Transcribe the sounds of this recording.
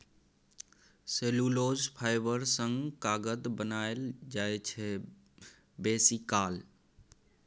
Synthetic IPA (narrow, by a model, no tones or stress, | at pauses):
selulod͡ʒpʰaɪbəɾsə̃ŋɡkaɡəd̪bənaeld͡ʒaet͡ʃʰɛ | besikaːl